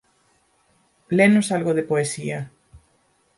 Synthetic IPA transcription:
plenosalɣoðepoesia

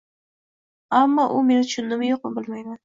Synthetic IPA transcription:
amːɒʔʊme̞nt͡ʃʰʊnːɪmjoq̚ɪbɪlmajman

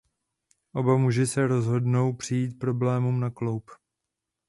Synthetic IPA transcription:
ʔo̞bamuʒɪsɛɾo̞zɦo̞dno̞wpr̝̥ɪjiːt̪̚pɾo̞blɛːmumnaklo̞wp

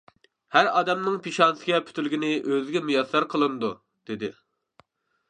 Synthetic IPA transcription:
hæɾɑːd̪ɛmnɨŋpʰiʃɑnsɨɡʲɛpʰy̥t̪ʰylɪɡʲinɪʔøzɡʲɛmyjɑsɑɾqʰəlˠɨnɨd̪u | d̪̥ɪd̪ɪ

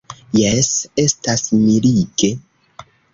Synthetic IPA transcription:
jese̞stasmiliɡe̞

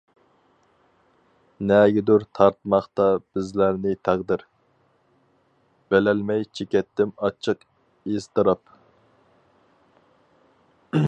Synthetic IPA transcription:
nɛɡʲɪd̪uɾt̪ʰɑɾt̪mɑχt̪ɑb̥ɪzlæɾnɪt̪ʰæʁd̪ɪɾ | b̥ɛlɛlmɛjt͡ʃʰekʲɛt̪ːɪmɑt͡ʃʰːɨq | ezt̪ɨɾɑp

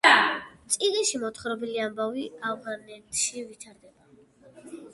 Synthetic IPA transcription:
t̪sʼiʁiʃimɔt̪ʰχɾɔbɛliambaviavʁanɛt̪ʰʃivit̪ʰaɾd̪ɛba

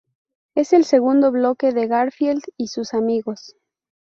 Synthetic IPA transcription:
e̞se̞lse̞ɣund̪o̞βloke̞ðe̞ɣaɾfjeld̪isusamiɣo̞s

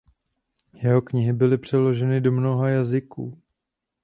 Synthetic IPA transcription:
jɛɦo̞kɲɪɦɪbɪlɪpr̝̥ɛlo̞ʒɛnɪdo̞mno̞ɦajazɪkuː

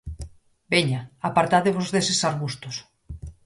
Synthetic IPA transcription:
beɲaapaɾt̪aðeβozðesesaɾɣust̪os

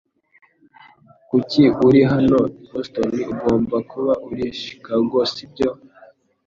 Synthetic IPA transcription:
kuciuɾiɦanohostoniuɡo̞ːmbakuβaʔuɾiʃi̥kaɡosib̚ɟo

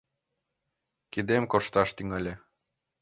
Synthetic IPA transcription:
kid̪emkoʃt̪ɑʃt̪yŋælʲĕ

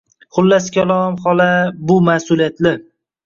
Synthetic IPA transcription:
χʊlːaskʲʰalˠɒmχɒlabʊmahsʊlijat̪lɪ

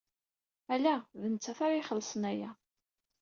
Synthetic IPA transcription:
ælæðənt͡sːæθaɾiχəlːəsˤənæjæ

